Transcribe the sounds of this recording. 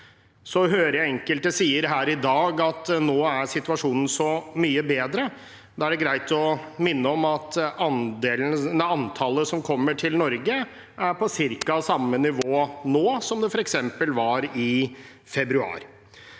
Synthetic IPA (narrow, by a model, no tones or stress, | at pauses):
sɔɦøːɾəjæɪɛŋkəlt̪̚d̪ɛsiːəɾɦæːɾɪd̪ɑːɡɑt̪noːæɾsɪt̪ʉɑʂuːnən̩sɔmyːəbeːd̪ɾə | d̪ɑːæɖɛɡɾæɪt̪ɔmɪnːəɔmɑt̪ʔɑnd̪eːlnnɑɑnt̪ʰɑləsɔmkʰɔmːəʈʰɪlnɔɾɡə | ʔæɾpʰɔsɪɾkɑɑsɑmːənɪʋoːnoːsɔmd̪ɛfɔɾɛksɛmpəlʋɑɾɪ | fɛbɾʉɑ̰ːɾ